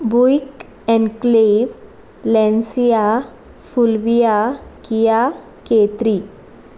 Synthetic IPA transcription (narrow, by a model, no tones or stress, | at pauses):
bujk | ɛ̃nkleʋ | lɛ̃nsija | fulʋijakija | ket̪ɾi